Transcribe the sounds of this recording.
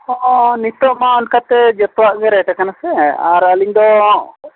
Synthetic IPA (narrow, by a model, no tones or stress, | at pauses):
ɔʔɔnit̪ɔʔmaɔnkat̪ɛd͡ʒɔt̪waʔɡɛɾɛʈakanasɛa̰ɾaliɲd̪ɔ